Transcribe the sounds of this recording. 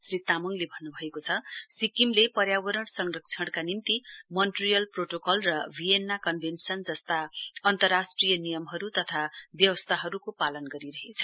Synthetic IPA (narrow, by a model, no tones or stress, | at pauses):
srit̪amʌŋlebʱʌnːubʱʌekot͡sʰʌsikimlepʌɾjabʌɾʌɽsʌŋrʌk̚t͡sʰʌɽkanimt̪imʌnʈrijʌlproʈokʌlrʌbʱienːakʌnbʱensʌnd͡zʌst̪aʌnt̪ʌrːasʈrijʌnijʌmɦʌɾut̪ʌt̪ʰabjʌwʌst̪ʰaɦʌɾukopalʌnɡʌɾiɾʌɦet͡sʰʌ̥